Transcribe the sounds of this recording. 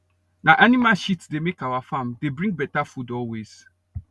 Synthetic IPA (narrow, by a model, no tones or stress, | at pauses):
nãʔanĩmaʃitsdemekawafãmdebɹĩŋɡ̚bɛtafudɔlwez̥